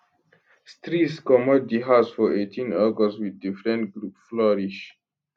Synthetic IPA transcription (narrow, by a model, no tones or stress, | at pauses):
stɹitskɔmɔdiɦasfɔʔetʰĩnɛɡɔswiðdifɹɛ̃ntɡɹupflɔɹiʃ